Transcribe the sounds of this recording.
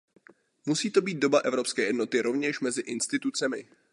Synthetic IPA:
musiːt̪o̞biːt̪̚do̞baʔɛvɾopskɛːjɛdno̞t̪ɪɾo̞vɲɛʃmɛzɪʔɪnst̪ɪt̪ut͡sɛmɪ

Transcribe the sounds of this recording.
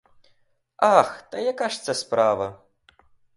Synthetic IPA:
axt̪ɐjakaʂt̪sʲɐspɾavɐ

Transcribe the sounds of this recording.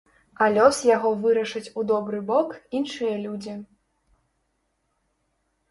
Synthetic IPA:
alʲɔsjaɣɔvɨɾɐʂɐt͡sʲud̪ɔbɾɨbɔkinʂɨjɐlʲud͡zʲi

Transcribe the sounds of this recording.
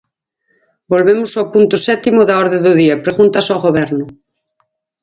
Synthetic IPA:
bolβemʊsawpunt̪ʊsɛt̪imʊðɐɔɾðẽðʊðiɐpɾeɣunt̪ɐsawɣoβ̞ɛɾnʊ

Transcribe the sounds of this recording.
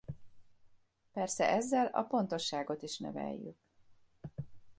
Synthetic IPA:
pɛrsɛʔɛzːɛlɒ̰po̞nt̪o̞ʃːaːɡo̞t̪iʃnɛ̰vɛ̰jːy̰k̚

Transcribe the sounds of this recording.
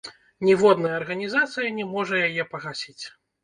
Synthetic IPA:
nʲivɔd̪nɐjɐːrɣɐnʲizat̪sɨjɐnʲɛmɔʐɐjajɛpɐɣasʲit͡sʲ

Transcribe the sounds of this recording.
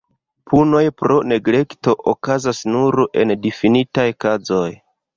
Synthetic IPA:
pʰuno̞jpɾo̞ne̞ɡle̞kto̞ʔokazasnuɾʔe̞̰ndifinitajkazo̞j

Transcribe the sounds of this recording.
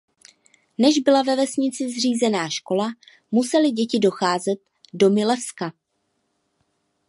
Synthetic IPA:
nɛʒbɪlavɛvɛsɲɪt͡sɪzr̝iːzɛnaːʃko̞la | musɛlɪɟɛcɪdo̞xaːzɛt̪̚ | do̞mɪlɛfska

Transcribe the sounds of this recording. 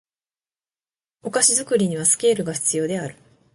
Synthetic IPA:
o̞kaɕizɨkɯ̟ɾʲiɲ̟iβasɨ̥kʲe̞ːɾɯ̟ɡaçi̥t͡sɨjo̞ːd̪e̞aɾɯ̟

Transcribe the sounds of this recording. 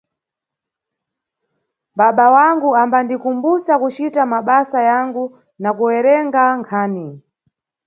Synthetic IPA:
ɓaɓawaŋɡuambandikumbusakut͡ʃitamaɓasajaŋɡu | nakuwɛɾɛŋɡaŋkʰaːni

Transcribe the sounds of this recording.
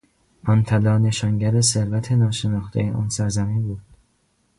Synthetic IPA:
ʔɒnt̪ʰælɒːne̞ʃɒːŋɟæɾese̞ɾvæt̪ʰe̞nɒːʃe̞nɒːxt̪ʰḛjeʔɒːnsæɾzæmiːnbuːd̪̥

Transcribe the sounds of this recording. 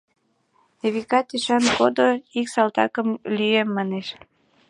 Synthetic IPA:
neβikɑt̪yʃɑnkod̪oiksɑlt̪ɑ̰kəmlyemːɑneʃ

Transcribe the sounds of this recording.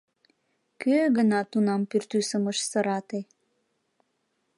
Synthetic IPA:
køɣənɑt̪unɑmpyrt̪ysəməʃsəɾɑt̪e

